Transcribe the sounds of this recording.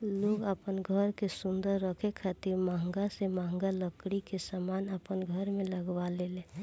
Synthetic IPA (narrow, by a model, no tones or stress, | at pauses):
loɡəpənɡʱəɾkesʊnd̪əɾːəkʰekʰat̪iɾmaŋɡasemaŋɡaləkɽikesamanəpənɡʱəɾmẽləɡʋalele